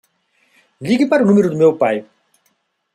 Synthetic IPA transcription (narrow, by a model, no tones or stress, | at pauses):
liɡipaɾnumeɾud̪umewpaj